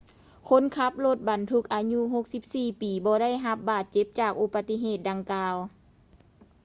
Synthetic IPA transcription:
kʰo˧˥˨nkʰa˧˦˥p̚lo˧˦t̪̚ba˨˩nt̪ʰu˧k̚ʔaː˨˧ɲu˧˥ɦo˧k̚si˧˥p̚siː˧˩piː˨˩˦bɔː˧˦ɾa˥˨jɦa˧˦p̚baː˨˩t̪̚t͡ɕe˧˦˥p̚t͡ɕaː˨˩k̚ʔo˧˩pa˧t̪ːi˧ɦeː˨˩t̪̚da˨˧ŋkaː˧w

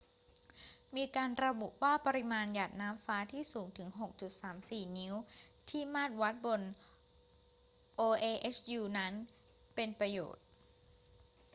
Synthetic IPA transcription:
miː˧kaː˧nɾa˧bu˨˩ʔwaː˥˩pa˧ɾi˦˥maː˧njaː˨˩t̪̚naː˦˥mfaː˦˥t̪ʰiː˥˩suː˩˦ŋt̪ʰɯ˩˦ŋɦo˨˩k̚t͡ɕu˨˩t̪̚saː˩˦msiː˨˩ni˦˥wt̪ʰiː˥˩maː˥˩t̪̚wa˦˥t̪̚bo˧n | ʔoː˧ʔeː˧ʔe˦˥sʰjuː˧na˦˥n | pe˧npɾa˧jo̰ː˨˩t̪̚

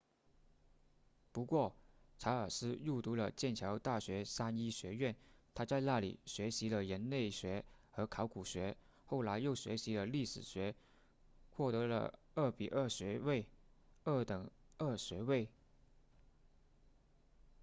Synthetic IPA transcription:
pu˧˥kwɔ˥˩ʈ͡ʂʰa˧˥ə˞˨˩sɹ̩˥ɻu˥˩t̪u˧˥lə̰˧t͡ɕjɛ˥˩nt͡ɕʰjɑ˧˥ʊt̪a˥˩ɕɥɛ˧˥sa˥ni˥ɕɥɛ˧˥ɥɛ˥˩nt̪ʰa˥t͡sa˥˧ɪna˥˩lḭ˨˩ɕɥɛ˧˥ɕi˧˥lə˧ɻə˧˥nne˥˩ɪɕɥɛ˧˥xɤ˧˥kʰɑ˧˥ʊku˨˩ɕɥɛ˧˥ | xo˥˩ʊla˧˥ɪjo˥˩ʊɕɥɛ˧˥ɕi˧˥lə˧li˥˩ʂɻ̩˨˩ɕɥɛ˧˥ | xwɔ˥˩t̪ɤ˧˥lə̰˧ | ə˥˩pi˨˩ʔə˥˩ɕɥɛ˧˥we˥˧ɪə˥˩t̪ɤ˨˩ŋ | ə˥˩ɕɥɛ˧˥we˥˩ɪ

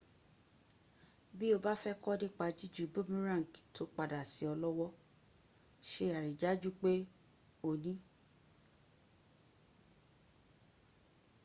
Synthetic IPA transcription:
bi˦o˧ba˦fɛ˦kɔ˦de˦k͡pa˧˦d͡ʒi˦d͡ʒu˨bo˦mĩ˦ɾã˦˨ŋ˨ktʰo˨˦k͡pa˧da˨si˨˦ɔ˧lɔ˦wɔ˦ | ʃe˧˦˨a˨ɾi˨d͡ʒa˨˦d͡ʒu˦k͡pe˦ | o˨nĩ˨˦

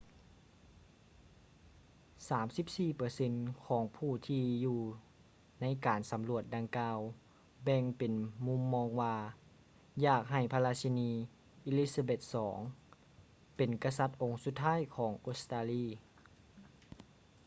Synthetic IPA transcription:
saː˩˦msi˧˥p̚siː˧˩pɤː˨˩˦se˧˥nkʰɔː˩˦ŋpʰuː˧˩t̪ʰiː˧juː˧˩ | na˧˥jkaː˨˩nsa˨˩˦mlu˧˩ət̪̚da˧ŋkaː˧w | bɛ˧ŋpe˨nmu˧˥mːɔː˧ŋwaː˧ | jaː˧˩k̚ɦa˨˩jpʰa˧laː˧si˧niː˧ | ʔi˧li˦˧˥sa˧be˧˩t̪̚sɔː˩˦ŋ | pe˨nka˧sa˧˥t̪̚ʔo˨˩ŋsu˧˦t̪ʰːaː˥˨jkʰɔː˩˦ŋʔo˧˥st̪aː˧liː˧˥˩

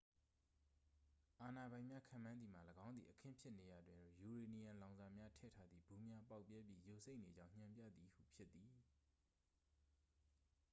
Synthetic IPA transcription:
ʔa˨na˨bã˨ɪ̃mja˦kʰã̰˦˨mã˦nd̪ði˨ma̰˨ləɡã˦ʊnðḭ˨ʔəkʰɪ̰̃˦˨mpʰjɪ˦ʔne˨ja˨dwɪ̃˨no˦˨ju˨ɹe˨ni˨jã˨lã˨ʊ̃za˨mja˦tʰɛ̰˦˨tʰa˦d̪ðḭ˦˨bu˨mja˦pa˦ʊpːjɛ˦pjḭ˦˨jo˨ʔsʰe˦ɪʔne˨d͡ʑã˦ʊ̃ɲ̥ã˨mpjä̰˦˨d̪ði˨hṵ˦˨pʰjɪ˦t̪ːi˨

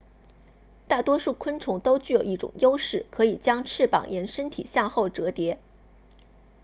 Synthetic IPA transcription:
t̪a˥˩t̪wɔ˥ʂu˥˩kʰwə˥nʈ͡ʂʰʊ˧˥ŋt̪o˥ʊt͡ɕy˥˩jo˨˩ʊi˥˩ʈ͡ʂʊ̰˨˩ŋjo˥ʊʂɻ̩˥˩kʰɤ˧˥i˨˩t͡ɕjɑ˥ŋʈ͡ʂʰɻ̩˥˩pɑ̰˨˩ŋjɛ˧˥nʂə˥nt̪ʰḭ˨˩ɕjɑ˥˧ŋxo˥˩ʊʈ͡ʂɤ˧˥t̪jɛ˧˥

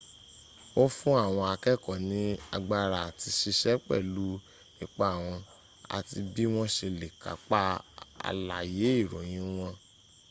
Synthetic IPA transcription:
o˦fũ˦a˦˨w̃ɔ̃˧a˧kɛ˦˨kɔ˨nĩ˨˦a̰˧ɡ͡ba˧ɾa˨ti˧ʃi˧ʃɛ˦k͡pɛ̰˦˨lu˨˦ | i˦˧k͡pa˧a˨w̃ɔ̃˧ | a̰˨ti˧bi˦w̃ɔ̃˦ʃe˧le˨ka̰˨k͡pa˦a̰˧la˨je˨˦i˦˨ɾɔ̃˨j̃ĩ˧˦w̃ɔ̃˧

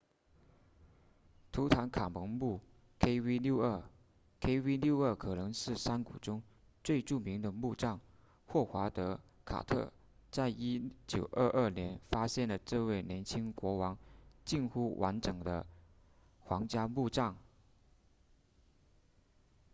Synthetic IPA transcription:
t̪ʰu˧˥t̪ʰa˧˥nkʰa˨˩mɤ˧˥ŋmu˥˩ | kʰe˥ɪwi˥ljo˥˧ʊə˥˩ | kʰe˥ɪwi˥lju˥˧ʊə˥˩kʰɤ˨˩nɤ˧˥ŋʂɻ̩˥˩ʂa˥nku˨˩ʈ͡ʂʊ˥ŋ | t͡swe˥˧ɪʈ͡ʂu˥˩mi˧˥ŋd̪ə˧mu˥˧ʈ͡ʂɑ˥˧ŋ | xwɔ˥˩xwa˧˥t̪ɤ˧˥kʰa̰˨˩t̪ʰɤ̰˥˩ | t͡sa˥˩ɪi˥t͡ɕjo˨˩ʊʔə˥˧ʔə˞˥˩njɛ˧˥nfa˥ɕjɛ˥˩nlə˩ʈ͡ʂɤ˥˧we˥˩ɪnjɛ˧˥nt͡ɕʰi˥ŋkwɔ˧˥wɑ˧˥ŋt͡ɕi˥˧nxu˥˩wʔa̰˧˥nʈ͡ʂɤ˨˩ŋd̪ə̰˦ | xwɑ˧˥ŋt͡ɕja˥mu˥˧ʈ͡ʂɑ˥˩ŋ

